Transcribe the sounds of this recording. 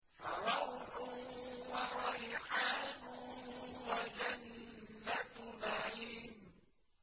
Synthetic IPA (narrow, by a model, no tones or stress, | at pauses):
faɾˤɑwħʊwaɾˤɑjħaːnʊwad͡ʒanːat̪naʕiːm